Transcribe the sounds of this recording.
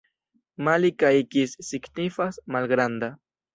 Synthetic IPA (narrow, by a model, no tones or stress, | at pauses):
malikaikisːɪknifasmalɡɾand̪a